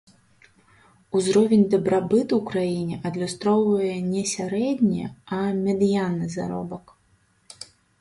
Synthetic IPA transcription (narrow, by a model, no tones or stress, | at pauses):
uzɾɔvʲɛnʲd̪ɐbɾabɨt̪uwkɾajinʲɛʔɐd̪lʲust̪ɾɔwvɐjɛnʲɛsʲaɾɛd̪ʲnʲɛ̰ɐmʲɛd̪ɨjanːɨza̰ɾɔ̰bɐk